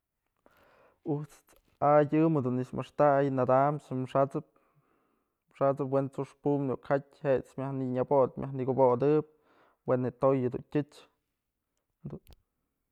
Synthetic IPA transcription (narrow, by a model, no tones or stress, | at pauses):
ut͡s | aɨmhed̪unːismʔɨʂt̪ajnad̪amsmʂat͡sɨp̚ | mʂat͡sɨp̬went͡suʂpumd̪ṵʔkhat̚ʲhet͡smjahniɲabot̪̚mʲʔahniɡobod̪ɨp̚ | wenɨt̪ojed̪ṵntʲɨt͡ʃ | d̪un